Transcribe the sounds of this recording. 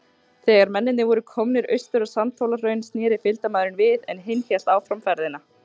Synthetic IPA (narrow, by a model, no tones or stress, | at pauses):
θɛːɣaɾmɛnːɪnɪvɔɾʏkʰɔmnɪɾœ̰ɥst̪ʏɾḁsamt̪ʰowlarœɥnsnjɛːɾɪfɪlt̪amaːðɾɪnvɪðɛ̰nɦejnçjɛl̥t̪aːwfɾamfɛɾðɪna